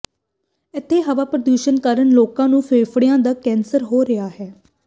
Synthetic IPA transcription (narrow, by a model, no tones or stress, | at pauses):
ɪt̪ʰːeːɦəʋaːpɾəd̪uːʃənkəɾənloːkãːnũːfʰeːfʰɽɪjãːd̪aːkɛːnsəɾɦoːɾɪaːɦɛː